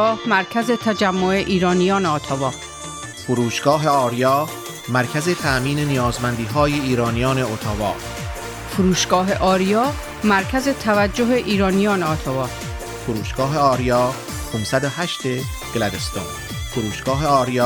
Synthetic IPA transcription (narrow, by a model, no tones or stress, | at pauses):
ɒːhmæɾcʰæzet̪ʰæd͡ʒæmːoe̞ʔiːɾɒːnijɒːneɔːt̪ʰɒvɒː | foɾuːʃɡ̥ɒːɦe̞ɒːɾijɒː | mæɾcʰæzet̪ʰæʔmiːnenijɒːzmænd̪iːɦɒːjeiːɾɒːnijɒːneot̪ʰɒvɒ̰ː | fuɾuːʃɡɒːɦeʔɒːɾijɒː | mæɾcʰæzet̪ʰævæd͡ʒːoɦe̞ʔiːɾɒːnijɒːneɒːt̪ʰɒvɒː | foɾuːʃɡ̥ɒːɦe̞ɒːɾijɒː | pʰomsæd̪ohæʃt̪e | ɡ̥læd̪est̪ɑ̰ːn | foɾuːʃɡ̥ɒːɦe̞ɒːɾijː